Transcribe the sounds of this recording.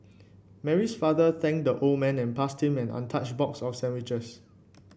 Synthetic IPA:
mɛɹisfadəθɛ̃ŋk̚dəʔold̚mɛ̃nɛ̃npasthĩmɛ̃nã̰ntʰat͡ʃbɔksɔfsɛ̃nwit͡ʃəs

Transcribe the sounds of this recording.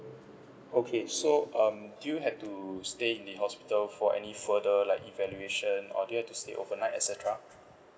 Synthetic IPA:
okʰesoʔʌ̃mdujuɦɛftusteĩndəɦɔspi̥təlfɔʔɛ̰nifədəlaɪkivɛljueʃə̃nɔ̰dujuhɛftusteʔo̰vənaɪtɛ̰tsɛtəɹa

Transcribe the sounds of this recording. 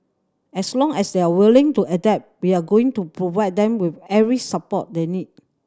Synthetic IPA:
ɛslɔ̃ŋɛsdeawilɪ̃ŋtuʔədɛp̚wiaɡoɪ̃ŋtupɹovaɪd̚dɛ̃mwɪfɛvɹisəpɔ̰t̚denit̚

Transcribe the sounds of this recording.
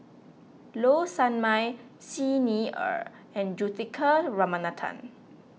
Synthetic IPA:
losãnmaj | siniə̰ɹ | ɛ̃nd͡ʒut̪ikʰəɹamanatʰã̰n

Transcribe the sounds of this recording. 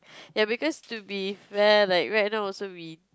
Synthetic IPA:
jabikɔstubifɛlaɪkɹajt̚naʊɔlsowi

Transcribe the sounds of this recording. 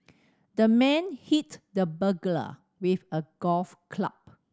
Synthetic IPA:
dəmɛ̃nhitdəbəɡlə̰ | wifəɡ̥ɔfkʰla̰p̚

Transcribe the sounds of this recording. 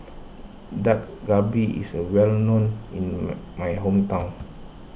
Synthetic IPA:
dat̚ɡabiḭsəwɛlnõnĩnmajɦõmtãw̃n

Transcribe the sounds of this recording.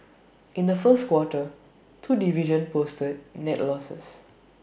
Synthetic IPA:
ʔĩndəfəstkwɔtə | tʰudiviʒə̃npostəd̚nɛtlɔsə̰s

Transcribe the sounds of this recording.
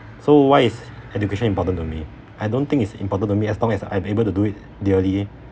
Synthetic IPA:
sowaɪisɛd͡ʒukeʃə̃nĩmpɔtə̃ntumi | ʔajdõnt̪ɪ̃ŋitsḭ̃mpɔtə̃ntumiɛslɔ̃ŋɛsa̰j̃mebəltuduit̚ | diəli

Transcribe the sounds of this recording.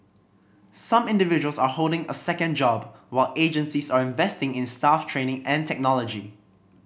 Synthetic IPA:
sãmɪ̃ndɪvɪd͡ʒuəlˠsaholˠdɪ̃ŋəsɛkə̃nd͡ʒɔbwaɪlʔed͡ʒə̃nsisaɹɪ̃ɱvɛstɪ̃ŋɪ̃nstaftʰɹẽːnɪ̃ŋɛ̃ntʰɛk̚nɔlɔd͡ʒi

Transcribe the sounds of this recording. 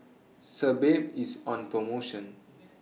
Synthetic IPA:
səbeʈizɔ̃npɹomoʃə̃n

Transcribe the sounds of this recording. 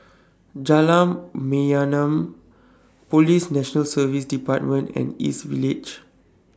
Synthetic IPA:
d͡ʒalãmːeanə̃m | polisnɛʃənəlsəvisdipat̚mə̃ntɛ̰̃nḭsvilid͡ʒ

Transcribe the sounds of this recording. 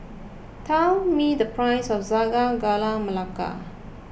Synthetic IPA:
tʰɛlmidəpɹajsɔfzaɡaɡalaməlaka̰

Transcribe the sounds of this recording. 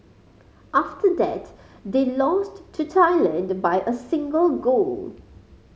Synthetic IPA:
ʔaftʰəd̪æ̰t | d̪eːlɔ̃stʰːutʰaɪlə̃ndbaɪʔəsɪ̃ŋɡəlɡoːl

